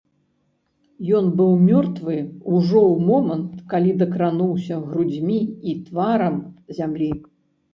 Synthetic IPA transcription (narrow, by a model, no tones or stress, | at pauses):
jɔnbɨwmʲɔrt̪vɨuʐɔwmɔmɐnt̪kalʲid̪ɐkɾanuwsʲɐɣɾud͡zʲmʲiit̪vaɾɐmzʲamlʲi